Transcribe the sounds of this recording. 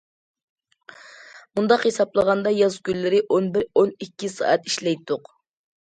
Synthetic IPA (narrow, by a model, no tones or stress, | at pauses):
mund̪ɑqhesɑplˠəʁɑnd̪ɑjɑzɡʲylːɪɾɪʔonbɪɾonikʲːisɑ̰ːʔɛt̪i̥ʃlɛjt̪ʰːʊq